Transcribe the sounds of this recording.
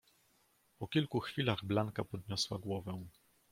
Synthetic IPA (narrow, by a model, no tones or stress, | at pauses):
pɔkʲilkuxfʲilaɣblaŋkapɔd̪ɲɔswaɡwɔvɛ̃